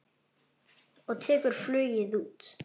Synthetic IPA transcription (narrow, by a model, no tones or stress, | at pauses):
ɔɣt̪ʰɛːkʏɾ̥flʏːɥjɪðuːt̪